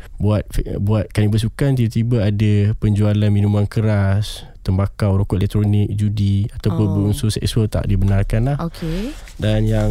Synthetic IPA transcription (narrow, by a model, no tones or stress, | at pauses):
buat̪̚fbuat̪̚kanĩbəs̬ukant̪ibat̪ibaadapəɲd͡ʒualanmĩnumankəɾas | t̪əmbakawɾokɔʔelɛk̚t̪ɾonɪk̚d͡ʒudiat̪awpʊnbəunsusɛksuəlt̪a̰ʔdibənarkanlahoke | danjaŋ